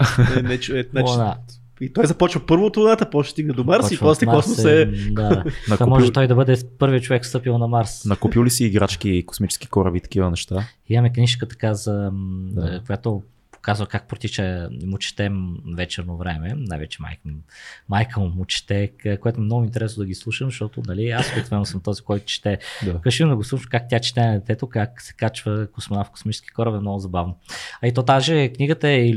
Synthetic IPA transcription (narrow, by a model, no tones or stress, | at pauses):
nɛt͡ʃɛnna | it̪ɔjzɐpɔt͡ʃvɐpɤɾvot̪ɾʊnat̪əpɔʃɛ̥st̪iɡnɛd̪omaɾsipɔslɛmaɔssɛd̪anɐk̪amɔʒɛt̪ɔjd̪ɐbɤd̪ɛpɤɾviət͡ʃovɛkst̪ɤpilˠnɐmaɾsnɐkupjulisiːɡɾat͡ʃkiko̥smit͡ʃɛ̥ski̥kɔɾɐvit̪ɐ̥k̟ivənɛʃt̪a | imɐmɛkniʃkət̪ɐ̥kazɐ | kojat̪o | po̥kazvɐkak̚pɾot̪it͡ʃəmʊt͡ʃɛ̥t̪ɛmvɛt͡ʃɛɾnovɾɛmɛnajvɛt͡ʃɛ̥ma̰jkmajkəmmʊt͡ʃɛ̥t̪ɛkkoɛt̪ʊɛmnɔɡʊint̪ɛɾɛsnoʊd̪ɐɡʲislˠuʃəmzɐʃt̪ɔt̪ʊnɐliasopɛk̪t̪vɛnːosəmt̪ɔzikɔjt̪ʊ̥t͡ʃi̥t̪ɛd̪kəʃind̪əɡʊslˠuʃkak̚t̪ʲat͡ʃɛ̥t̪ɛd̪ɛt̪ɛt̪okaksɛ̥kat͡ʃvəkosmonafkʊ̥smit͡ʃɛ̥skʲi̥kɔɾəbɛmnɔɡʊzɐbavnoɐit̪ɔt̪aʒɛkniɡət̪əɛi